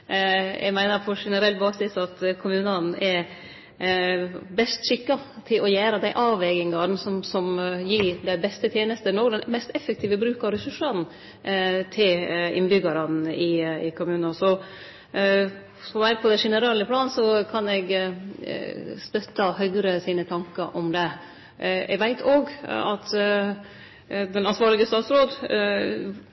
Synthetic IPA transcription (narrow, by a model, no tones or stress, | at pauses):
jʔɛ̰ɡmæɪnəɾfʰɔʂɛnəɾɛlbɑːɡsɪsɑt̪kʰʊmʉːnɑn̩ɛ | bɛst̪ʃɪkːɑt̪ʰɪlʔɔjæːɾəd̪æɪʔɑːʋɛɡɪŋɑn̩sɔmsɔmjiɾd̪æɪbɛst̪ət̪ʰjeːnəst̪ənoːɡd̪ɛnmɛst̪ɛfək̚t̪ʰiːʋəbɾʉːkɑʋɾɛsʉʂɑd̪n̩ | t̪ʰɪlɪ̰nbʏɡɑɾɑn̩ɪɪkʰʊmʉːnɑsɔ | fɔʋæɾəpʰɔd̪ɛʂɛnəɾɑːləpʰlɑːnsɔkʰɑnɛɡ | st̪œt̪ːəhœʏɡɾəsiːnət̪ʰɑŋkəɾʔɔmd̪ɛ | ɛ̰ɡʋæɪt̪ʰoːɡɑt̪ | d̪ɛnɑnsʋɑːɾɭɪɡəst̪ɑːt̪sɾoːd̪